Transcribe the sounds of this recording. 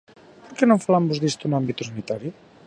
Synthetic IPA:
poɾkɛnoɱfalambuzðist̪unambit̪usanit̪aɾiu

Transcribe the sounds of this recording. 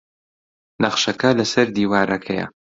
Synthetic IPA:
nɐχʃɐkɐlɐsɐɾd̪iːwaːɾɐkʰɐjɐ̰

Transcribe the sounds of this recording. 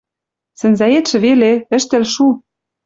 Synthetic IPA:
sɘ̆nzæet̪ʃɘ̆βeleɘ̆ʃt̪ɘ̆lʃu

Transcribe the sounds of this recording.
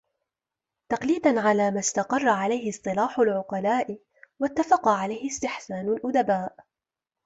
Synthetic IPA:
t̪ɑqliːd̪anʕalaːmast̪ɑqɑrˤːɑʕalajhɪsˤt̪ˤɨlaːħʊlʕʊqɑlaːʔɪ | wat̪ːafɑqɑʕalajhɪst̪ɪħsaːnʊlʔʊd̪abaːʔ

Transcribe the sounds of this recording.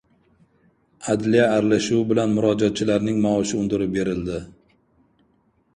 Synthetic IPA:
ad̪lijaːɾlaʃuwbɪlanmʊɾɒd͡ʒat̪̚t͡ʃʰɪlaɾnɪŋmaɒʃɪʊnd̪ɪɾɪbe̞ɾɪld̪ɪ

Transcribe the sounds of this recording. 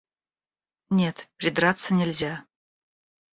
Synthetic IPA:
nʲe̞t̪pɾʲɪd̪ɾat̪sənʲɪlʲzʲa

